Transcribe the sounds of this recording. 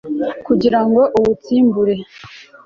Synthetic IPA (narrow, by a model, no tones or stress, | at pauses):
kuɟiɾaŋɡo̞ʔuwut͡siːmbuɾe̞